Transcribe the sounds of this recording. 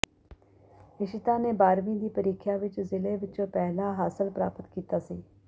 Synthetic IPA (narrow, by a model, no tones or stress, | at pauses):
ɪʃɪt̪aːneːbaːɾmĩːd̪iːpəɾiːkʰjaːʋɪt͡ʃzɪleːʋɪt͡ʃõːpɛːɦlaːɦaːsəlpɾaːpət̪kiːt̪aːsiː